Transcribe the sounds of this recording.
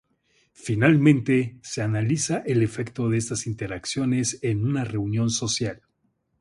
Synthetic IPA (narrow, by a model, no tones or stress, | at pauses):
finalmẽ̞nt̪e̞se̞analisaʔe̞le̞fekt̪oðeest̪asint̪eɾaksjo̞ne̞se̞nunare̞unjo̞nso̞sjal